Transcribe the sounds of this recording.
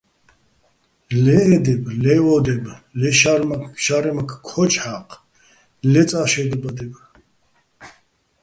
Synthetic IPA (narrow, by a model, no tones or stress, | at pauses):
lɛːd̪ɛblɛɔd̪ɛblɛʃaɾmakʃaɾɛmakʰkʰːɔt͡ʃʰʼħaqʰʼ | lɛt͡sʼaʃɛd̪ɛbad̪ɛb